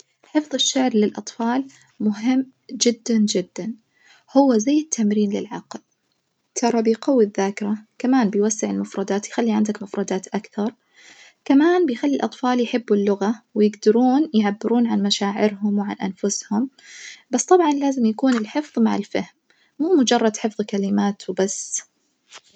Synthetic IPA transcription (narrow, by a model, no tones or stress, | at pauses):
ħɪfðˤɪʃːaʕɾlɪlʔɑt̪ˤfɑːl | mʊɦɪmː | d͡ʒɪd̪ːand͡ʒɪd̪ːan | hʊwːazajːɪt̪ʰːamɾiːnlɪ̰lʕɑ̰ql | t̪ʰɑɾˤɑbɪjqɑwːiðːaːkɪɾakamaːnbɪjwasːɪʕɪlmʊfɾˤɑd̪aːt̪jxalːiʕa̰nd̪akmʊfɾˤɑd̪aːt̪ʔakθɑɾˤ | kamaːnbɪjxalːilʔɑt̪ˤfɑːljħɪbːɪlːʊɣawɪjɪɡd̪ɑɾuːnjʕabːɪɾʔuːnʕanmaʃaːʕɪɾɦʊmwɪʕa̰nʔanfʊshʊm | basːt̪ˤɑbʕɑnlaːzɪmjakuːnɪlħɪfðˤmaʕɪ̰lfahmː | uːmʊd͡ʒɑrˤːɑd̪ħɪfðˤkalɪmaːt̪wbasː